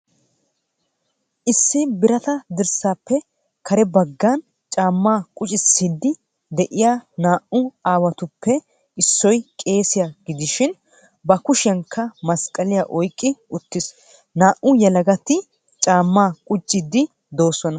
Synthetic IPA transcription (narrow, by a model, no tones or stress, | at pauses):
ʔɪsːɪbɪɾɐt̪ɐd̪ɪɾsaːpːɛ | kʰɐɾɛbɐɡːan | t͡ʃʼaːmːaːkʼʊt͡ʃʼɪsːiːd̪ːɪ | d̪ɛʔɪjaːnaːʔʊaːwɐt̪ʊpːɛ | ɪsːɔjkʼe̞ːsɪjaɡɪd̪ɪʃɪn | bɐkʊʃɛŋkʰːɐmɐskʼːɐlɪjaʔɔjkʼːɪʊt̪ːɪs | naːʔʊjɐlɐɡɐt̪ɪ | t͡ʃʼaːmːaːkʼʊt͡ʃʼːɪd̪ɪ | d̪o̞ːsɔnɐ